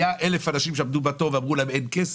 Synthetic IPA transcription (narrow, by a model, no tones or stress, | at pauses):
jaʔelefanaʃimʃeamd̪ubat̪o̞veamʁulaemenkes